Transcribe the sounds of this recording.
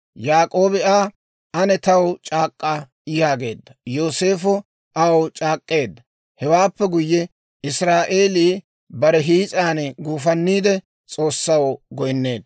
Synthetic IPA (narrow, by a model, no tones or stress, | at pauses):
jaːkʼo̞ːbɪaː | ɐnɛt̪ɐwt͡ʃʼaːkʼːɐ | ɪjaːɡe̞ːd̪ːɐjo̞ːse̞ːfɔ | ʔɐwt͡ʃʼaːkʼːe̞ːd̪ːɐ | hɛwaːpːɛɡʊjːɛ | ɪsɾaːʔe̞ːliː | bɐɾɛɦiːt͡sʼaːnɡuːfɐnːiːd̪ɛ | t͡sʼo̞ːsːɐwɡɔjnːe̞ːd̪ɐ